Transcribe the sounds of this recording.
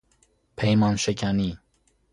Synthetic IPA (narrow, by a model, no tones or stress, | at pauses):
pʰɛjmɑnʃəkʲʰani